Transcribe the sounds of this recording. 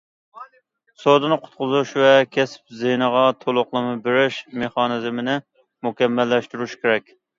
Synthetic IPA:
sod̪ɨnɨqʰʊ̥t̪̚qʊzuʃvɛkʲʰɛsɪ̥p̚zenəʁɑt̪ʰolˠʊqlˠɨmɨbɪɾɪʃmeχɑnɨzmɪnɪ | mukʲɛmːɛlːɛʃt̪uɾuʃkʲeɾɛkʲ

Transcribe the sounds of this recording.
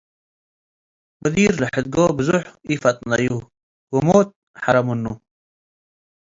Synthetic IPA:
mɐd̪iːɾlaħɪd̪̚ɡoːbəzuħifat̪̚naju | wumoːt̪̚ | ħaɾamunːu

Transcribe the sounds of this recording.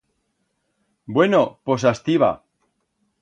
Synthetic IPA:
bwenopos̬ast̪iβa̰

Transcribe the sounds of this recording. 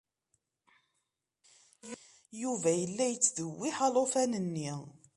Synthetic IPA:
juvæjəlːæjət͡sːðəwːiħɑlˤofænənːi

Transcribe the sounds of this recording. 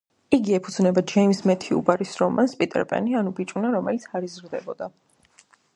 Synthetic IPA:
iɡiɛpʰud̪znɛbad͡ʒɛimsmɛt̪ʰiṵbaɾisɾɔmanspʼit̪ʼɛ̰ɾpʼɛ̰nianubit͡ʃʼunaɾɔmɛlit̪sʰaɾizɾd̪ɛbɔd̪a

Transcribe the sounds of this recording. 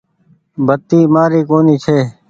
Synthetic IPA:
bʱət̪ːiːmaːɾiːkoːniːt͡ʃʰeː

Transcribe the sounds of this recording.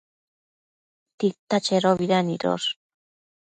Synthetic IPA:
t̪it̪at͡ʃeɾoβiɾaniɾo̰ɾ

